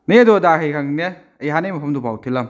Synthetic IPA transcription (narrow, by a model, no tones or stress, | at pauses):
nijɐdɔdahejkʰaŋne | ɐjɦanɐjmɐpʰɐmdubawtʰilɐm